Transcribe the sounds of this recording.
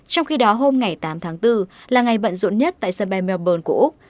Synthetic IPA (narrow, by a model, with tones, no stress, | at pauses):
t͡ɕɔ˧wŋ͡mxi˧ɗɔ˨˦ɦo˧mŋa˨˩jt̪aː˨˦mt̪ʰaː˨˦ŋt̪ɨ˧laː˨˩ŋa˨˩jɓə̰˧˨nzṵ˧˥nɲə˦˥t̚t̪a̰ː˧˨jsə˧nɓa˧jmɛ˧ɓəː˧nku˧˩əʔʊ˦˥k͡p̚